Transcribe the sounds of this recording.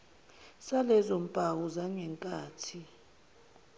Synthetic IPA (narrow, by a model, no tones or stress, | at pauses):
salɛzom̩pʼawɔzaŋɛŋkʼaːtʰi